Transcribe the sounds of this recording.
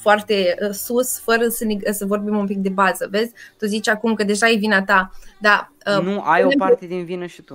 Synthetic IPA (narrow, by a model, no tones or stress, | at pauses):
foart̪e̞əsusfəɾəsəneəsəvo̞rbimumpik̚d̪e̞bazəve̞zʲt̪ozit͡ʃʲakumkəd̪e̞ʒaevinat̪ad̪a | ənuajopart̪ed̪invinəʃit̪u